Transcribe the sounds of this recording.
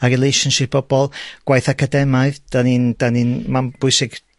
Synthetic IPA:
arɪlˠejʃɔnʃɪp̚b̥ɔb̥ɔlˠɡ̥wajθakʰadɛmaɨðd̥aniːnd̥aninmanb̥ʊɨsɪɡ̥

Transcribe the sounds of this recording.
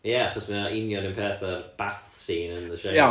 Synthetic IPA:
jɛaχɔsməaʔɪnjɔnɪ̃npʰɛːθərb̥aθsiːnənðəʃe

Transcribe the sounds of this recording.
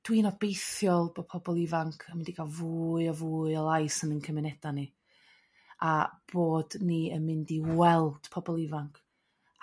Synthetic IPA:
d̥wiːnɔbejθjɔlˠb̥opʰɔbɔlˠɪvaŋkʰamɪndiɡalˠvuːɨɔvuːɨɔlˠajsənənkʰəmɪnɛd̥ani | ab̥oːdniənmɪndiwɛlˠd̥pʰɔbɔlˠɪvaŋkʰ

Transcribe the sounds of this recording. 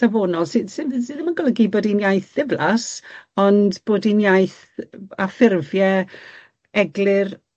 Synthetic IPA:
avoːnɔlˠsɪdsɪsɪðəmaɡɔlˠəɡiboːdinjajθðɪvlˠasɔndb̥oːdinjajθ | afɪrvjɛ | ɛɡlˠɪr

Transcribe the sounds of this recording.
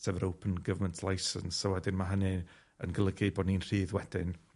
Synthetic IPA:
tʰɛvɾowpʰənɡəvməntʰlˠajsə̰nsɔwɛdɪnmaɦənɨ | ə̰nɡəlˠəɡɪbɔːdniːnr̥iːðwɛd̥ɪn

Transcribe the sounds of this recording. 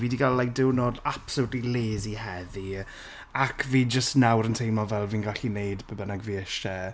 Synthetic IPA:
viːdiɡalladɪwnodapsʊtlileːzihɛði | akʰviːd͡ʒəstnawɾəntʰejmɔvɛlˠviːnɡaɬinejdbəbənaɡviːɪʃɛ

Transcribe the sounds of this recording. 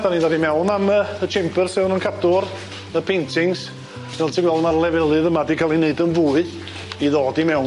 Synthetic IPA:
danindadimɛwnaməət͡ʃʰɛmpʰərsɪðnənkʰadʊr | əpʰentʰɪŋs | vɛlˠtʰiɡwɛlˠdəmarlˠɛvɛlˠɨðəmadikʰalˠineɨdənvuːɨ | iðoːdimɛwn

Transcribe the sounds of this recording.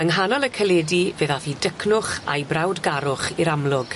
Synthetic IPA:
əŋɦanɔlˠəkʰəlɛdiveːðafidəkʰnʊχa̰jbrawdɡaɾʊχiɾamlˠʊɡ̥

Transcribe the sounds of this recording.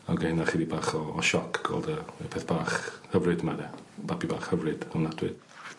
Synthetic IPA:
awɡenaχiːdibaːχɔːʃɔkʰɡ̥ɔ̰ːlˠdəpʰɛθb̥aːχhəvrɨdmaðɛbabibaːχhəvrɨd̥awnadwɪ̰d̥

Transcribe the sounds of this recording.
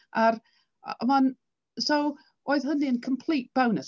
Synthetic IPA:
ʔaɾ | əman | sow | oːɨðɦəniənkʰəmpʰl̥ˠiːt̚b̥awnəs

